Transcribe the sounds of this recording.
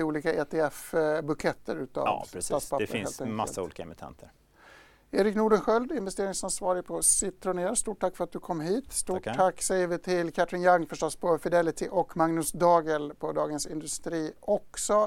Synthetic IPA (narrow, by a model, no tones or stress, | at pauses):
uːliːkaʔeːt̪ʰɛɛfbɵkʰɛt̪ʰːə̰ɾʉ̟ːt̪a̰v̰st̪aːt̪spʰapəɾheːlt̪ʰɛŋmalːaṵːliːkaɛmɪt̪ʰɛ̰nt̪ʰəɾ | eːɾɪknuːɖənɧœld̪ɪnvɛst̪eːɾɪŋsansvɑːɾɪpʰɔsɪt̪ːɾʊneːɾst̪uːʈ̚ʰːakːfœɾat̪̚d̪ɵkʰɔmːɦiːt̪st̪uːakːsɛjvɪt̪ʰɪlkʰat̪ɾɪnjaŋːfœʂʈɔspʰɔfɪd̪ɛlɪt̪ʰɪʔɔkmaŋnɵsd̪ɑːɡəlpʰɔd̪ɑːɡənsɪnd̪ɵst̪ɾiːɔksɔ